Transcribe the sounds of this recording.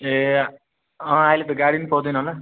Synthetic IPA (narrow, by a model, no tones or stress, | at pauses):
e | ʌ̃ailet̪̬ʌɡaɽinipʌwd̪ʌjnʌɦola